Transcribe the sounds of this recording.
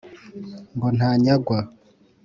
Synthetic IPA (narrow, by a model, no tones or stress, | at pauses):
ŋɡon̥haːɲaɡwa